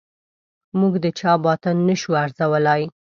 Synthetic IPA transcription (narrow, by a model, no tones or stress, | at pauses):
muɡd̪ət͡ʃɑbɑt̪ənːəʃuaɾzawəlaj